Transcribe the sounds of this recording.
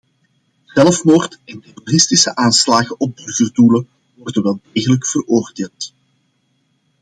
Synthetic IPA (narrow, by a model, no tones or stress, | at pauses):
z̥ɛlfmoːrtɛntɛrorɪstɪsəʔaːnslaːɣəʔɔb̚dɵrvərduːlə | wɔrdənʋɛlˠdeːɣələkfərʔoːrdeːlˠt